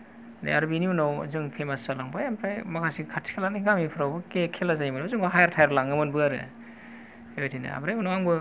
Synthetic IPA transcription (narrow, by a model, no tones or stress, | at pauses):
dḛaɾubinibɯnaw̰zɯŋpʰemasalaŋbajampʰajmakʰasikʰatʰi̥kʰelaniɡamipʰɯɾawbɯkekʰelazajimɯnozɯŋɡaɦajaɾtʰajɾlaŋɡɯmɯnbɯaɾɯ̰ | eojtʰina̰a̰bɾajunowaŋbɯ